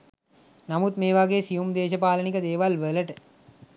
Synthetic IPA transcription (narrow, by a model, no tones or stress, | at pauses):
namut̪meːʋaɡeːsijumd̪eːʃəpaːlənikəd̪eːʋalʋələʈə